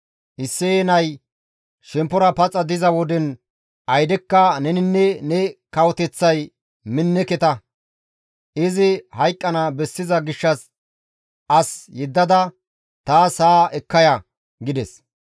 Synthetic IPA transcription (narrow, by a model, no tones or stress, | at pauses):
ʔɪsːenɐj | ʃɛmpːɔɾɐpɐt͡sʼɐd̪ɪzɐwɔd̪ɛn | ʔɐjd̪ɛkːɐnɛnɪnːɛnɛkɐwɔt̪ɛt͡sːɐj | mɪnːɛkɛt̪ɐ | ɪzɪhɐjkʼːɐnabɛsːɪzɐɡɪʃːɐs | ʔɐsjɛd̪ːɐd̪ɐ | t̪aːsaːʔɛkːɐjɐ | ɡɪd̪ɛs